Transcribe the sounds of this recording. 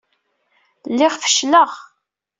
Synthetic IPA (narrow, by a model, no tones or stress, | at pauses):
lːɪʁfə̥ʃləʁ